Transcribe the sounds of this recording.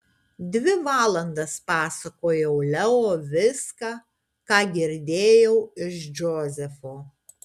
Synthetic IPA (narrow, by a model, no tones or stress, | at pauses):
d̪ʲʋʲɪʋɑːlˠɐnd̪ɐspɑːsɐkoːjɛʊlʲɛoːʋʲɪskɑː | kɑːɡʲɪɾʲd̪ʲeːjɛʊɪʃd͡ʒʲoːzʲɛfoː